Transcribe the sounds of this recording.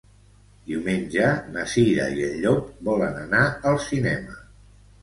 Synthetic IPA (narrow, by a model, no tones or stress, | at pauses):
d̪iwmenʲʒənəsiðə̰iəʎːok̚bɔlənənaəlˠsinɛmə